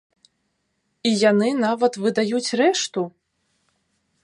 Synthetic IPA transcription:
ijanɨnavɐt̪vɨd̪ajut͡sʲrɛʂt̪u

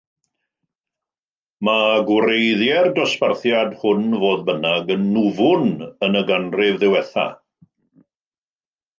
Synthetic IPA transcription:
maɡwɾejðjɛrdɔsparθjadhʊnvoːðbənaɡənːʊvʊnənəɡanrɪvðɪwɛθa̰

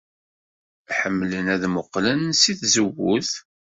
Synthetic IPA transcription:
ħəmːlənæðmʊqːlənsiθzəwːʊθ

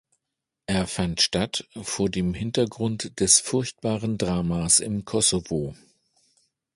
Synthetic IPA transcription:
ʔeːɐfantʃtatfoːɐdeːmhɪntɐɡʁʊntd̥ɛsfʊɐçt̚b̥aːʁəndʁaːmasɪ̰mkʰɔsovo

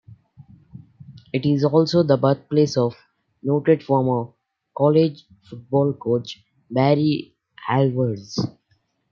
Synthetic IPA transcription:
ɪʈɪzɔːlsoːd̪əbəɾt̪̚pleːsɔːʋ | noːʈeɖfɔːɾmɔʋ | kɔːled͡ʒ | fʊʈ̚bɔːlkoːt͡ʃ | bæɾi | ælʋəɾɖz

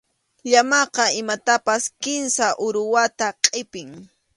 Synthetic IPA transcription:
ʎamɑqɑɪmat̪apaskɪnsaʔʊɾʊwat̪aqʼɪpɪŋ

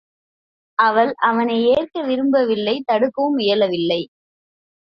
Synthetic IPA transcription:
ʔɐʋɐlʔɐʋɐnɐɪeːrkɐʋɪɾɯmbɐʋɪlːɐɪt̪ɐɽɯkːɐɯmɪjɐlɐʋɪlːɐɪ

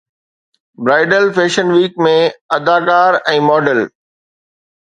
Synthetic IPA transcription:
bɾaːɪɖəlfeːʃənʋiːkmẽɐd̪aːkaːɾɛ̃ːmɔːɖəl

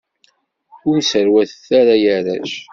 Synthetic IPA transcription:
ʊnsəɾwæθθaɾajəɾæ̰ʃ

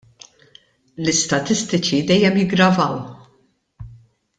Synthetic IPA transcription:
lɪst̪ɐt̪ɪst̪ɪt͡ʃid̪ɛjːɛmjɪɡɾɐvɐw

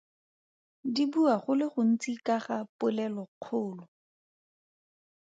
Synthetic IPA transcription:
dibuaχʊlɪχʊn̩t͡sikaχapʊlɛlɔq͡χʰʊːlɔ

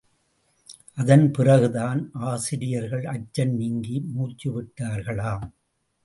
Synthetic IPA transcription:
ʔɐðɐnpɪrɐɣɯðaːnʔaːsɪɾɪjɐɾɣɐɭɐt͡ʃːɐnniŋɡimuːt͡ʃːiʋɪʈːaːɾɣɐɭaːm

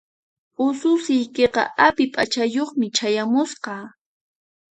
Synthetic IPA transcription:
ʊsʊsɪjkeqɑ̰ʔapɪpʼat͡ʃajoχmɪt͡ʃajamʊsqɑː

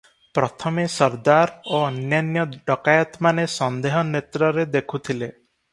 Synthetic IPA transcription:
pɾɔt̪ʰɔmesɔɾd̪aɾoɔnjanjɔɖɔkajɔt̪manesɔnd̪eɦɔnet̪ɾɔɾed̪ekʰut̪ʰile

